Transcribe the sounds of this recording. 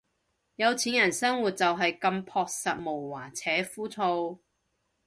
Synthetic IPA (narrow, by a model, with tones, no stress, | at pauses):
jɐ˨˧wt͡sʰiː˨˥njɐ˨˩nsɐ˥ŋwuː˨t̚t͡sɐ˨wɦɐ˨jkɐ˧mpʰɔː˧k̚sɐ˨t̚mo˨˩wwaː˨˩t͡sʰɛː˨˥fuː˥t͡sʰo˧w